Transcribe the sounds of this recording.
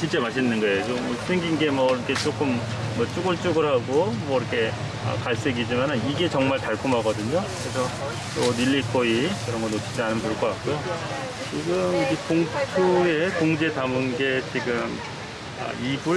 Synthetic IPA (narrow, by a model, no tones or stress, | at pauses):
ɕiɭt͡ɕ͈e̞maɕ̬ʰinːɯnɡʌe̞jot͡ɕomʌs͈ʰeŋɡinɡe̞mʌiɾʌkʰe̞t͡ɕ͈ok͈ɯmː | ʌt͡ɕ͈uɡɯɭt͡ɕ͈uɡɯɾɦaɡomwʌiɾʌkʰe̞ | ʌ̰kaɭs͈eɡid͡ʑimanɯniɡe̞t͡ɕʌŋmaɭtaɭkʰumɦaɡʌdɯɲokɯɾesʰʌ | ʌniʎːikʰoikɯɾʌnɡʌnot͡ɕʰid͡ʑianɯnpuɭk͈ʌk͈ak͈ujo | t͡ɕiɡɯmiɡekoŋtʰue̞koŋd͡ʑe̞tamɯnɡe̞t͡ɕiɡɯm | ʌ̰ibu